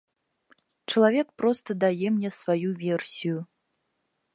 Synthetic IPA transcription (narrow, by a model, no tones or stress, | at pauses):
t͡ʂɐlˠavʲɛkpɾɔst̪ɐd̪ajɛmnʲɛsvajuvʲɛrsʲiju